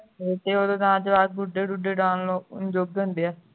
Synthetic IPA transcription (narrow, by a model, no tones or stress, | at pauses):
et̪eːoːd̪õːt̪ãːd͡ʒəʋaːd̪̚ɡʊɖeːɖuɖeːɖãːnloːʊ̰nd͡ʒoːɡ̚d̪ɦʊnd̪eːɛː